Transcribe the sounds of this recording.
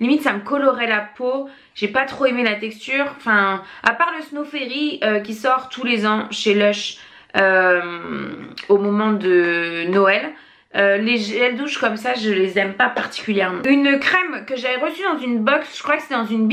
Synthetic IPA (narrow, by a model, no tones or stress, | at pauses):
limit̪saməkɔlɔʁɛlapo | ʒ̥epat̪χoemelat̪ɛkst̪yʁɑ̃fɛ̃apaʁləsnofeʁiøkʲisɔʁt̪ʰulezɑ̃ʃelœʃ | øm | omɔmɑ̃d̪ənɔɛl | øːeʒɛld̪uʃkɔmsaʒəlezɛmpapaʁt̪i̥kʲyljɛʁmɑ̃ynkχɛmkəʒavɛʁəsyd̪ɑ̃zynbɔksʒ̥əkχwakəset̪ɛd̪ɑ̃zynb